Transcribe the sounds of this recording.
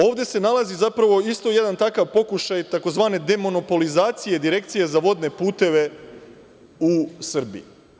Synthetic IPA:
o̞ːʋd̪e̞se̞nalazizapɾaʋo̞ist̪o̞jed̪ant̪akaʋpo̞kuʃajt̪ako̞zʋaːne̞d̪e̞mo̞no̞po̞lizaːt̪sijed̪iɾe̞kt̪sije̞zaʋo̞d̪ne̞puːt̪e̞ʋe̞ | usr̩bḭj

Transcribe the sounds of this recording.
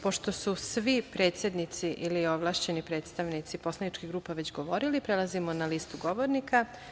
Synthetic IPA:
po̞ʃt̪o̞susʋipɾe̞ːt̪sje̞d̪nit̪siʔilio̞ʋlˠaːʃt͡ɕe̞nipɾe̞ːt̪st̪aʋnit̪sipo̞slˠanit͡ʃkiɣɡɾuːpaʋe̞t͡ɕɡo̞ʋo̞ɾilipɾelˠazimonaliːst̪uɡo̞ʋoɾnika

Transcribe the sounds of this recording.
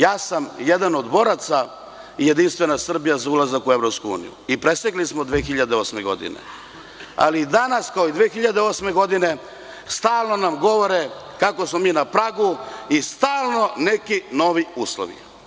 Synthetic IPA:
jaːsamjed̪ano̞d̪bo̞ɾat̪sa | ije̞d̪inst̪ʋe̞nasr̩bijazaulazakueʋɾo̞pskuṵːnḭjṵipɾe̞seklismod̪ʋeːxiʎad̪eo̞sme̞ɡo̞̰d̪ḭnḛ | a̰lid̪anaskaoid̪ʋeːxiʎad̪eo̞sme̞ɡo̞d̪ine̞ | st̪aːlˠno̞namɡo̞ʋoɾe | kakosmomiːnapɾaɡuist̪aːlˠno̞ne̞kino̞ʋiuːslo̰ʋḭ

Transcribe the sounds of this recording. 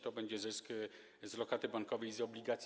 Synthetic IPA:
t̪ɔbɛɲd͡ʑɛzɘsk | zlɔkat̪ɘbaŋkɔvɛjzɔblʲiɡat̪sʲ

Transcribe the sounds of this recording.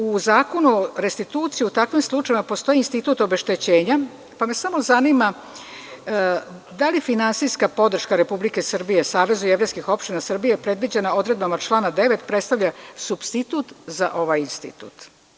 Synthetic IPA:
uzaːko̞nuɾest̪it̪uːt̪sijiut̪akʋimslˠut͡ʃajimapo̞st̪o̞jinst̪it̪uːt̪obe̞ʃt̪e̞t͡ɕe̞ːɲa | pame̞samo̞zanima | d̪alifinansijskapo̞d̪r̩ʃkaɾe̞publike̞sr̩bije̞saːʋe̞zujeʋɾejskixo̞pʃt̪inasr̩bijepɾe̞d̪ʋid͡ʑe̞nao̞d̪ɾe̞d̪̚bamat͡ʃlˠaːnad̪e̞ʋe̞t̪pɾe̞t̪st̪aʋʎasubst̪it̪uːt̪za̰ʔo̞ʋajinst̪ḭt̪ṵːt̪

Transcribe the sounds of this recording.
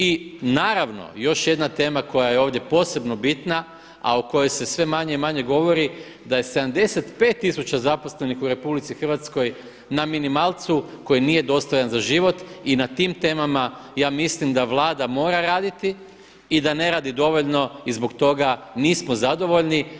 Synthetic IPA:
inaːɾaʋno̞̰jo̞ʃje̞d̪nat̪e̞ːmako̞jajeo̞ːʋd̪je̞po̞ːse̞bno̞bit̪na | a̰oko̞jo̞jse̞sʋe̞maɲeimaɲe̞ɡo̞ʋo̞ɾi | d̪aje̞sed̪amd̪e̞se̞t̪pe̞ːt̪ːisut͡ɕazapo̞sle̞nixuɾe̞publit̪sixrʋat̪sko̞j | naminimaːlˠt̪suko̞jinije̞d̪o̞st̪ojanzaʒiʋo̞t̪inat̪iːmt̪e̞ːmamajaːmislimd̪aʋlˠaːd̪amo̞ːɾaɾaːd̪it̪iː | d̪ane̞ɾaːd̪id̪o̞ʋo̞ʎno̞izbo̞kt̪o̞ɡaniːsmozad̪o̞ʋo̞ʎni

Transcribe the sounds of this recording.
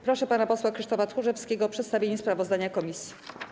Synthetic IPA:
pɾɔʂɛpanapɔswakʂɘʂt̪ɔfat̪xuʐɛfskʲeɡɔːpʂɛt̪st̪avʲjeɲɛspɾavɔzd̪aɲakɔmʲisʲji̥

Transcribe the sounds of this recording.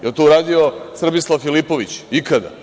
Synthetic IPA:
jat̪ouɾaːd̪io̞sr̩bislˠafilipo̞ʋit͡ɕikad̪a̰

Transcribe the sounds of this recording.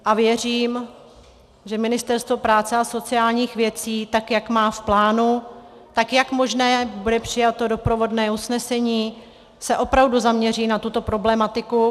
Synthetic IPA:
ʔavjɛr̝iːm | ʒɛmɪnɪst̪ɛɾst̪vopɾaːt͡sɛaso̞t͡sɪaːlɲiːxvjɛt͡siːt̪akjakmaːfplaːnut̪akjakmo̞ʒnɛːbudɛpr̝̥ɪjat̪o̞do̞pɾo̞vo̞dnɛːusnɛsɛɲiː | sɛʔo̞pɾavduzamɲɛr̝iːnat̪ut̪o̞pɾo̞blɛmat̪ɪku

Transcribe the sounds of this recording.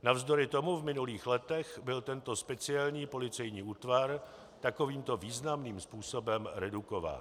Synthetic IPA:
navzdo̞ɾɪt̪o̞muvmɪnuliːxlɛt̪ɛxbɪlt̪ɛnt̪o̞spɛt͡sɪɛlɲiːpo̞lɪt͡sɛjɲiːʔuːt̪vaɾ | t̪ako̞viːmt̪o̞viːznamniːmspuːso̞bɛmɾɛdukova̰ːn

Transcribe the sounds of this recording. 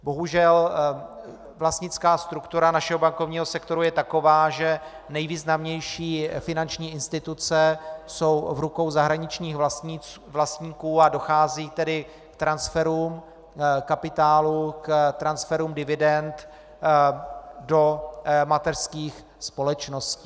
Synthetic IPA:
bo̞ɦuʒɛl | vlast̪ɲɪt͡skaːst̪ɾukt̪uɾanaʃɛɦobaŋkovɲiːɦo̞sɛkt̪oɾujɛt̪ako̞vaːʒɛ | nɛjviːznamɲɛjʃiːfɪnant͡ʃɲiːɪnst̪ɪt̪ut͡sɛso̞wvɾuko̞wzaɦɾaɲɪt͡ʃɲiːx | vlast̪ɲiːkuːado̞xaːziːt̪ɛdɪ | kt̪ɾansfɛɾum | kapɪt̪aːlukt̪ɾansfɛɾumdɪvɪdɛnt̪ | do̞mat̪ɛrskiːx | spo̞lɛt͡ʃnosciː

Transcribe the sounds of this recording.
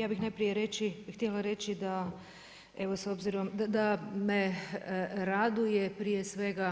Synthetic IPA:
jaːbixnajpɾije̞ɾet͡ʃixt̪jelaɾe̞t͡ʃid̪a | e̞ʋo̞so̞bziɾo̞md̪ad̪ame | ɾad̪ujepɾije̞sʋe̞ɡa

